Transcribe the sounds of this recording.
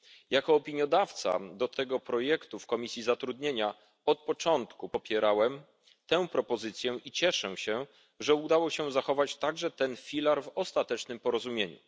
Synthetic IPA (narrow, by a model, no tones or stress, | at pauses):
jakɔːpʲiɲjɔd̪aft̪sa̰d̪ɔt̪ɛɡɔpɾɔjɛkt̪ufkɔmʲisʲjizat̪ɾud̪ɲeɲa | ɔt̪̚pɔt͡ʂɔnt̪kuɔpʲjɛɾawɛm | t̪ɛ̃w̃pɾɔpɔzɘt̪sʲjɛʔit͡ɕɛʂɛɕɛ̃ | ʐɛud̪awɔɕɛzaxɔvat͡ɕt̪aɡʐɛt̪ɛnfʲilaɾvɔst̪at̪ɛt͡ʂnɘmpɔɾɔzumʲjeɲṵ